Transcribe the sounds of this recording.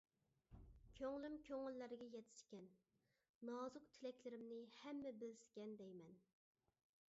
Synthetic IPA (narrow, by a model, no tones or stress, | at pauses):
kʲʰøŋlymkʲʰøŋɪlːæɾɡʲɛjɛt̪ʰɪ̥skʲɛnː | ɑːzʊqt̪ʰɪlɛkʲlɪɾɪmnɪhɛmːɛbɪlsɪ̥kʲɛnd̪ɛjmɛn